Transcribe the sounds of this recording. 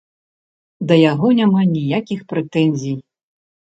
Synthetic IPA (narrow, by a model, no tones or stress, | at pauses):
d̪ɐjaɣɔnʲamanʲijakʲixpɾɛt̪ɛnʲzʲij